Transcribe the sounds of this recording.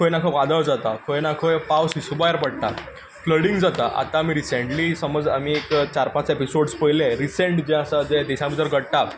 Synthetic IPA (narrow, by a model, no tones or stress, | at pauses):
kʰojnakʰəʋad̪əɭd͡zat̪akʰojnakʰojpawsisubajəɾpəɽt̪a | fləɽĩŋɡd͡zat̪aʔa̰t̪ãːmiɾiseɳʈlisəməd͡za̰miekt͡ɕaɾpãt͡sepisoɽspəilẽɾiseɳʈd͡ʑɛ̃əsad͡zɛd̪iɕãbʱit̪əɾɡʱəɽʈ̪a